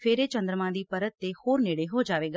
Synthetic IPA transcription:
fʰeːɾet͡ʃə̃nd̪ɾəmãd̪iːpɐɾət̪ːehoːɾneːɽeɦod͡ʒaːʋeːɡa

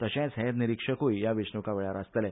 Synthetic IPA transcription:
t̪əɕɛ̃sɦɛ̃d̪niɾikʂəkujjaʋiʂnukaʋeɭaɾast̪lɛ

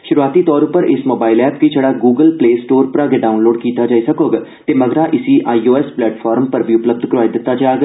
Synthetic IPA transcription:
ʃʊɾuaːt̪iːt̪ɔːɾʊpəɾɪsmoːbaːɪlɛːp̚kit͡ʃʰəɽaːɡuːɡəlpleːsʈoːɾpɾaːɡeɖaːʊnloːɖkiːt̪aːd͡ʒaːisəkoːɡt̪eːməɡɾãːʔɪsiːʔaːioːɛsplɛːʈfʰɔːɾmpəɾbʱiʊpləb̚d̪ʱkɾaːid̪ɪt̪ːaːt͡ʃaːɡ

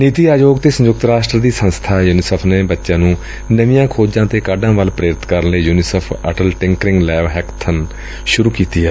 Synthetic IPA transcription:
niːt̪iːaːd͡ʒoːɡt̪eːsə̃ɲd͡ʒʊk̚t̪ɾaːsʈɾəd̪iːsə̃nst̪ʰaːjuːnɪsəpʰneːbətːʃãːnũː | nəʋɪjãːkʰoːd͡ʒãːt̪eːkaːɖãːʋəlpɾeːɾɪt̪kəɾənləiːjuːnɪsəpʰə̰ʈəlʈɪ̃ŋkɾɪ̃ŋɡlɛːʋɦɛːkt̪ʰːən | ʃʊɾuːkiːt̪iːɦɛː

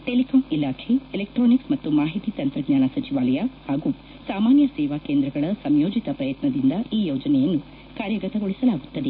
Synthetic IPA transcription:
ʈelikʰoːmilaːkʰeilek̚ʈɾoːniksmɐt̪ːumaːɦit̪it̪ɐnt̪ɾɐɡɲaːnɐsɐt͡ʃiʋaːlɐjɐhaːɡu | saːmaːnjɐsɛːʋaːkeːnd̪ɾɐɡɐɭɐsɐmjoːd͡ʒit̪ɐpɾɐjɐt̪nɐd̪ind̪ɐiːjoːd͡ʒɐnɛjɐnːu | kaːɾjɐɡɐt̪ɐɡoɭisɐlaːɡut̪ːɐd̪e

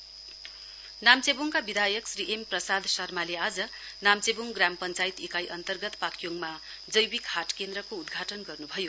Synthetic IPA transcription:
namt͡sebuŋkabid̪ʱajʌksriʔemprʌsad̪ʱsʌrmalead͡zʌ | namt͡sebuŋɡrampʌnt͡sajt̪ekajʔʌnt̪ʌrɡʌt̪pakʰjoŋma | d͡zʌjwikhaʈkend̪rʌkoud̪ɡʱaʈʌnɡʌrnubʱʌjo

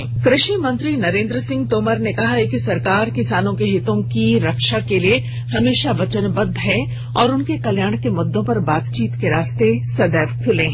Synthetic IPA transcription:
kɾɪʃəmɐ̃nt̪ɾinɐɾẽːnd̪ɾəsɪ̃ŋɡ̚t̪oːməɾnekɐɦaɦɛkisɐɾkaːɾkɪsaːnõkeɦɪt̪õkiɾɐkʃakelie | hɐmeːʃaʋɐt͡ʃənbɐd̪ʱːɦɛ | ɔːɾʊnkekɐljaːɽ̃kemʊd̪ːõpɐɾbaːt̪t͡ʃiːt̪keɾaːst̪esɐd̪ɛːʋkʰʊlẽː

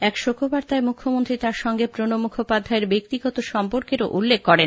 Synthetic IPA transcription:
ɛkʃokʰɾobaɾt̪aemukʰːomont̪ɾit̪aɾʃɔŋɡepɾonomukʰopad̪ʱːaeɾbek̚t̪iɡɔt̪oʃɔmpoɾkeɾoʔulːekkːɔɾen

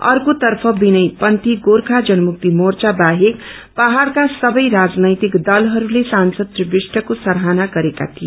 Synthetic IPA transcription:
ʌ̰rkot̪ʌrpʰʌbinʌjpʌnt̪iɡorkʰad͡zʌnʌmuk̚t̪imort͡sabaɦek | paɦaɾkasʌbʌjɾad͡znʌjt̪ikd̪ʌlɦʌɾulesansʌd̪̚pribisʈʌkosʌɾɦanaɡʌɾeka̰t̪ʰie

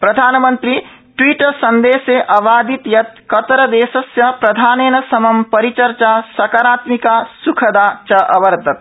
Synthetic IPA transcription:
pɾɐd̪ʱaːnɐmɐnt̪ɾi | ʈwiːʈɐsɐnd̪eːseʔɐʋaːd̪it̪jɐt̪kɐt̪ɾɐd̪eːsɐsjɐpɾɐd̪ʱaːneːnɐsɐmɐmpɐɾit͡ʃɐɾt͡ʃaːsɐkaɾaːt̪mikaːsukʰɐd̪aːt͡ʃɐʔɐʋɐɾd̪ʱɐt̪̚

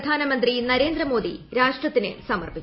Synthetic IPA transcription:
d̪ʱaːnɐmɐnd̪rinɐɾe̞ːnd̪rɾɐmo̞ːd̪ḭɾaːʂʈrɐt̪ːinɨ̰sɐmɐrpit͡ɕː

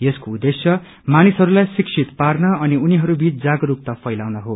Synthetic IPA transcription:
jeskoud̪ːesjʌ | manisɦʌɾulajsiksʰit̪parnʌʌniuniɦʌɾubit͡sd͡zaɡʌɾuk̚t̪ʌpʰʌjlawnʌɦo

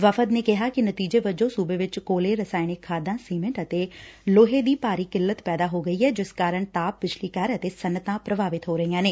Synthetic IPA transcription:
ʋəfʰəd̪neːkɪɦaːkɪnət̪iːd͡ʒeːʋəd͡ʒõːsuːbeːʋɪt͡ʃkoːleːɾəsaːɪnɪkʰːaːd̪ãːsiːmə̃ɳʈət̪eːloːɦeːd̪iːpaːɾiːkɪlːət̪pɛːd̪aːɦoːɡəiːɛːd͡ʒɪskaːɾəɳt̪aːp̚pɪt͡ʃʰliːkəɾət̪eːsənːət̪ãːpɾəbaːʋɪt̪ɦoːɾəiãːneː

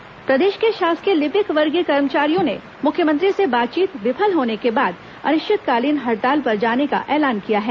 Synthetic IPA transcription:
pɾɐd̪eːʃkeʃaːskelɪpɪkʋɐɾɡikɐɾmət͡ʃaːɾijõne | mʊkʰjəmə̃nt̪ɾisebaːt̪̚t͡ʃiːt̪ʋɪpʰəlɦoːnekebaːd̪ | ɐ̰nɪʃɪt̪kaːliːnɦɐɾt̪aːlpɐɾd͡ʒaːneka̰ʔɛːlaːnkijaɦɛː

